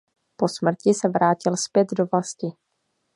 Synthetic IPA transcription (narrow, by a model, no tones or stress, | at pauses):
po̞smr̩cɪsɛvɾaːcɪlspjɛd̪do̞vlascɪ